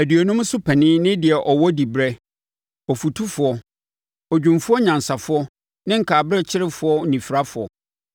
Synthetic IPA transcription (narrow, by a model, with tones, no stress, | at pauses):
æ˨dɥɔ˨nʊ̃˦m˦sʊ˦pʰɛ˨nɪ̃˦nɪ̃˦dɪ˨ɛ˨ʔɔ˨wɔ˦di˨bɾɛ˦ | ɔ˨fu˨tʰu˦fʊ˨ɔ˦ | ɔ˨d͡ʑᶣũ˨mfʊ˦ɔ˦ɲã˨nsa˨fʊ˦ɔ˦ | nɪ̃˦ŋ̩˨kʰaː˨bɾɛ˦t͡ɕʰɪ˦ɾɪ˦fʊ˨˦ɔ˦˨nĩ˨fɾa˦fʊ˨ɔ̰˨